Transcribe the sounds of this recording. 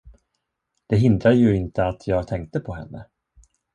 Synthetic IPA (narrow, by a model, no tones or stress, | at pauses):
d̪̥ɛɦɪnd̪ɾad̪əjɵɪnt̪əat̪ʰjɑːɡt̪ʰɛŋk̚t̪əpʰɔɦɛ̰nːə̰